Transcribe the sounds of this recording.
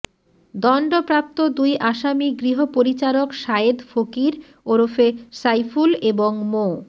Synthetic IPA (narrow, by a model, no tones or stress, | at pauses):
d̪ɔɳɖopɾap̚t̪od̪ujʔaʃamiɡɾiɦopoɾit͡ɕaɾokʃaed̪fokiɾ | oɾofesajfuleboŋmo